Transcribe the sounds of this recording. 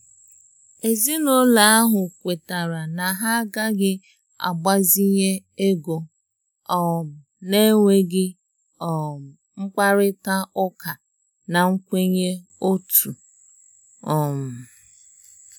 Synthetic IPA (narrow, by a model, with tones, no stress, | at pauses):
e˨zi˦no˦la˨a˦ɦʊ˨kʷe˨ta˨ɾa˨na˨ɦa˦ɡa˦ɡɪ˦ | a̰˨ɡ͡ba˦zi˦ɲe˦e˦ɡo˨ | ɔ˨m̩˨ne˦ŋʷe˦ɡɪ˦ | ɔ˨ | ŋ͡m̩˦k͡pa˦ɾɪ˦ta˦ʊ˦ka˨ | na˨ŋ̩˦kʷe˦ɲe˦o˦tu˨ | ɔ˨m̩˨